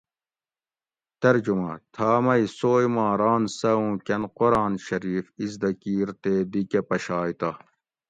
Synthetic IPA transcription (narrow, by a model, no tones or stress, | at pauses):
t̪ɐɾd͡ʑumɐ̰t̪ʰaːmɐisoːjmãːɾaːnsɐũːkɐnqoɾaːnɕɐɾiːfizd̪ɐkiːɾt̪eːd̪ikepɐɕaːjt̪a